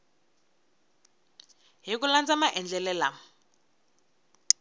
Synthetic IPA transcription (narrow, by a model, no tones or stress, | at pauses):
ɦik̬uland͡zamaʔɛnd͡ɮʱɛlɛːla